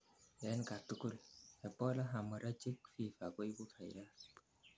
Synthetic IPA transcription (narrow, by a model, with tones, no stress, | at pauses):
jɛ˨˦nka˨tu˦ku˦lɛ˨pɔ˦la˦ɦa˨mə˨ɾa˦t͡ʃi˦k̚fi˦˨fa˨ko˦i˦bu˦kʰa˨jɾa˦